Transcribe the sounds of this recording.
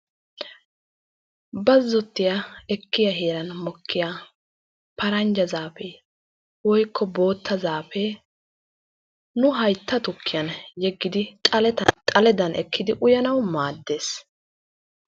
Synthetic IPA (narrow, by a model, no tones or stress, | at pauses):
bɐzːɔt̪ːɪjɐɛkːɪjɐɦeːɾɐnmɔkːɪja | pɐɾɐnd͡ʒɐzaːfe | wɔjkːɔbo̞ːt̪ʰːɐzaːfɛ | nʊɦɐjt̪ːɐt̪ʊkʰːɪjɐnjɛɡːɪd̪ɪt̪ʼɐt̪ʼɐlɛd̪ɐnʔɛkʰːɪd̪ɪʔʊjɐnɐwmaːd̪ːe̞ːs